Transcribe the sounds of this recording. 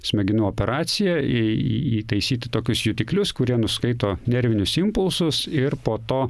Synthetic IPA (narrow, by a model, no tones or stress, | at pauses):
sʲmʲɛɡʲɪnuoːpʲɛɾɑːt̪sʲɪjɛɪḭiːt̪ɐɪsʲiːt̪ʲɪt̪oːkʲʊsjʊt̪ʲɪklʲʊskʊɾʲiɛnʊskɐɪt̪oːnʲɛɾʲʋʲɪnʲʊsɪmpʊlˠsʊsɪɾpoːt̪oː